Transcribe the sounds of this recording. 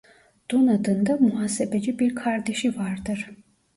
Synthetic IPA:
d̪̥unad̪ɯnd̪amuɦaːsebed͡ʒibiɾkʰaɾd̪eʃivaɾd̪ɯɾ̥

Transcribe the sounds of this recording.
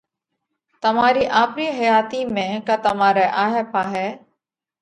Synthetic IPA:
t̪əmaːɾiːʔaːpɾiːɦəjaːt̪iːmẽːkaːt̪əmaːɾɛːʔaːɦeːpaːɦɛː

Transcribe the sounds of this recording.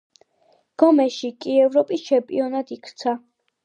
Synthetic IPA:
ɡ̥ɔmɛʃikʼiɛvɾɔpʼist͡ʃʰɛmpʼḭɔnat̪ikʰt̪sʰa

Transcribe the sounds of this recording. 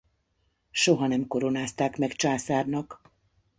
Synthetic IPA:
ʃo̞ɦɒnɛmko̞ɾo̞naːst̪aːkmɛkt͡ʃaːsaːrnɒk

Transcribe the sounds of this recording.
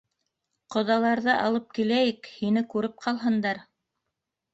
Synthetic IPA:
qŏðɑlˠɑɾðɤʔɑlˠɤp̚kilæjɘkhinɘkʉɾɘp̚qʰɑlˠɦɤ̆nd̪ɑɾ

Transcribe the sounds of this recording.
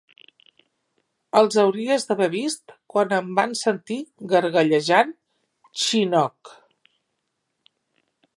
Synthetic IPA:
əlˠzəwɾiəzðəβɛβist̪kwanəmbansənt̪iɣəɾɣəʎəʒan | t͡ʃinɔk

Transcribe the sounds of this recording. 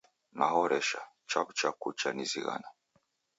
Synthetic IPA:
nahɔɾɛʃa | t͡ʃaβt͡ʃakut͡ʃaniziɣa̰na

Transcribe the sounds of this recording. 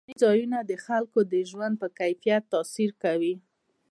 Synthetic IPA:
izɑjunad̪əxalkod̪əʒwand̪̚pəkajfijat̪ːɑsiɾkawi

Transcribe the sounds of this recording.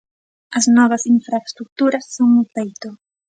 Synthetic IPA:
lasnovasinfɾast̪ɾuk̚t̪uɾasːonmutait̪o

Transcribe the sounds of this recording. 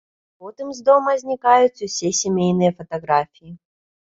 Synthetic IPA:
pot̪ɨmzd̪oməzʲnʲɪkajʊt̪sʲəsʲesʲɪmʲejnɨjəfɐt̪ɐɡɾafʲɪjɪ

